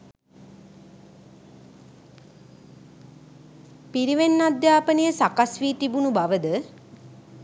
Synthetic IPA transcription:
piɾiʋenːad̪jaːpənəjəsakasʋiːt̪ibunubaʋəd̪ə

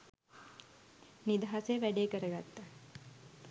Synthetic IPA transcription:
nid̪aɦaseʋæɖekəɾəɡat̪ːa

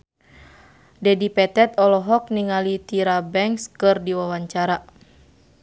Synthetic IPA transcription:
dɛdipɛt̪ɛt̪ɔlɔɦɔk̚niŋalit̪iɾabɛŋkskɨrdiwawaɲt͡ʃaɾa

